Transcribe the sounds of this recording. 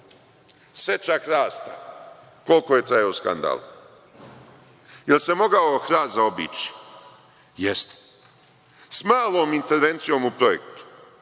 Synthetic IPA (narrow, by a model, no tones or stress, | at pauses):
set͡ʃaxɾaːst̪a | ko̞lkojet̪ɾajouska̰nd̪a̰ːl | jelse̞mo̞ɡaoxɾaːzao̞bḭːt͡ʃi̥ | jest̪e̥ | smaːlˠoːmint̪e̞ɾʋe̞nt̪sijo̞ːmupɾojḛkt̪u̥